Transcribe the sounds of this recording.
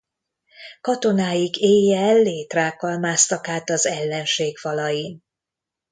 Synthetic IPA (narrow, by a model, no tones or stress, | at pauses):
kɒt̪o̞naːjiɡeːjːɛlːeːt̪raːkɒlmaːst̪ɒkaːt̪ɒzɛlːɛnʃeːɡfɒlɒjin